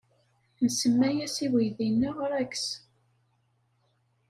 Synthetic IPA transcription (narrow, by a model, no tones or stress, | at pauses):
nəsəmːæjæsiwijðinːəʁɾæks